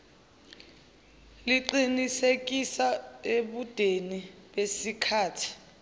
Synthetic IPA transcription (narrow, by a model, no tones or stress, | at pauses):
liǃinisek̬ʼisaeɓud̥ʱeniɓesikʰaːtʰi̥